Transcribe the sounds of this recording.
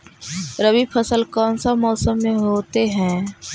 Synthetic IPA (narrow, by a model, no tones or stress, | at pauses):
ɾəbipʰəsəlkɔːnsamɔːsəmːẽɦoːt̪eɦɛ̃ː